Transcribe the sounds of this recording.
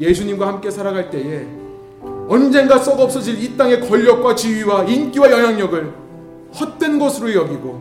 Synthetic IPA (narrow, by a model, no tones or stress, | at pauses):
je̞sʰuɲimɡwahamk͈e̞sʰaɾaɡaɭt͈e̞e | ʌnd͡ʑe̞nɡas͈ʌɡʌp̚s͈ʌd͡ʑilit͈aŋe̞kʌʎːʌk̚k͈wat͡ɕiɥiwaink͈iwajʌŋɦjaŋɲʌɡɯɭ | hʌt̚t͈we̞nɡʌsʰɯɾojʌɡiɡo